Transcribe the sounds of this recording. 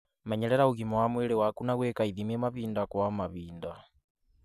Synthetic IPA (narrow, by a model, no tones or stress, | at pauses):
mɛɲɛɾɛɾauɣimɔwamwɛɾɛwakunaɣwɛkaiðimɛmaβiːndakwamaβiːnda